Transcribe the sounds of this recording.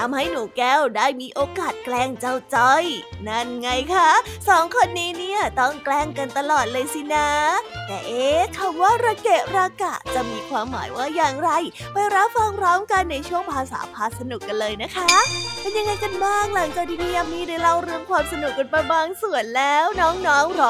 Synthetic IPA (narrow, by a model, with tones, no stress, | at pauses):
t̪ʰa˧mha˥˩jnuː˨˩˦kɛː˧˥˩wdaː˥˩jmiː˧ʔoː˧kaː˨˩t̪̚klɛː˧˥˩ŋt͡ɕa˥˩wt͡ɕɔ˧˥˩jna˥˩nŋa˧jkʰa˦˥sɔː˨˩˦ŋkʰo˧nːiː˦˥ni˥˩ɐt̪ɔ˥˩ŋklɛː˥˩ŋka˧nt̪a˧lɔː˨˩t̪̚lɤː˧jsi˧˩na˦˥t̪ɛː˨˩ʔeː˧kʰa˨˩mwaː˥˩ɾaː˧ke˨˩t̚ɾaː˧ka˨˩t͡ɕa˨˩miː˧kʰwaː˧mːa̰ː˨˩˦jwaː˥˩jaː˨˩ŋɾa˧jpa˧jɾa˦˥p̚fa˧ŋɾɔː˦˥mka˧nːa˧jt͡ɕʰu˥˩əŋpʰaː˧sa̰ː˩˦pʰaː˧˩t̪̚sa˧nu˨˩kːa˧nlɤː˧jna˦˥kʰa˦˥pe˧nja˧ŋːa˧jka˧nbaaː˥˩ŋk̚la˩˦ŋt͡ɕaː˨˩k̚t̪ʰiː˧niː˧˥ja˨˩miː˧daː˧jɾa˧˩wɾɯ˧əmkʰwaː˧msa˧nu˨˩k̚kːo˧˩npa˧jbaː˧ŋsu˨˩ənlɛː˦˥wnɔː˦˥ŋnɔː˦˥ŋɾɔː˦˥